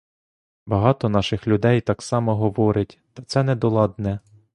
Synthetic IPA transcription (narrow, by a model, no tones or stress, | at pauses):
bɐɦɑt̪ɔnɑʃɪxlʲʊd̪ɛjt̪ɑksɑmɔɦɔʋɔɾɪtʲt̪ɐt̪sɛnɛd̪ɔlˠɑd̪nɛ